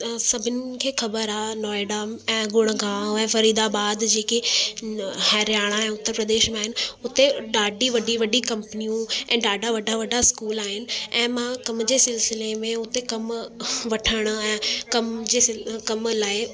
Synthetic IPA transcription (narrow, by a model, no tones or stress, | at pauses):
sɐbʱɪnɪ̆kʰeːxɐbəɾaːnɔːeɖaːmɛ̃ːɡʊɽ̃̆ɡãːɛ̃ːfɐɾiːd̪abaːd̪d͡ʑeːke | hɛːɾjaːɽ̃aɛ̃ːʊt̪ːəɾpɾəd̪eːʃmẽaːɦɪnɪ̆ʊt̪eɖaːɖʱiʋɐɖʱiʋɐɖʱikɐ̃mpnijũɛ̃ːɖaːɖʱaʋɐɖʱaʋɐɖaskuːlaːɦɪnɪ̆ɛ̃ːmãkɐmd͡ʑeːsɪlsɪlemẽʊt̪ekɐmʋɐʈʰəɽ̃̆ɛ̃ːkɐmd͡ʑeːsɪkɐmlaːɪ